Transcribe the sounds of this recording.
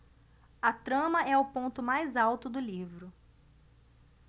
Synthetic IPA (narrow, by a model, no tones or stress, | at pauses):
ɐt̪ɾɐ̃mɐʔɛʊpõnt̪ʊmajzawt̪ʊd̪ʊlivɾʊ